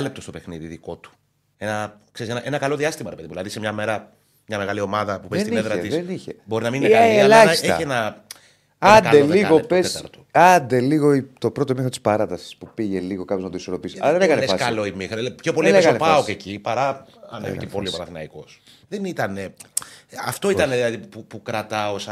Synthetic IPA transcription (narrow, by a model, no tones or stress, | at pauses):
ɐlep̚t̪o̞st̪opexniðiðiko̞t̪u̥ | enɐkseisenɐʔenɐkɐlo̞ðiɐst̪imɐɾepe̞ðimuðilɐðisemɲɐmeɾɐ | mɲɐmeɣɐlio̞mɐðɐpupest̪ineðɾɐiðeniçebo̞ɾinɐminelɐçsseçɐ̰enɐ | ɐnɐeliɣopesɐɾt̪oɐnd̪e̞liɣo̞it̪o̞pɾot̪oimixɾot̪i̥spɐɾɐt̪ɐsi̥spupiʝeliɣo̞kɐpjoznɐt̪oiso̞ɾo̞pisɐðeneɣɐneesɐskɐlo̞imixɾpço̞po̞lieesɐnpɐocecipɐɾɐɐ̰neficepo̞liopɐnɐθinɐ̰iko̞s | ðenit̪ɐne | ɐft̪o̞it̪ɐneðilɐðipupukɾɐt̪ɐosɐ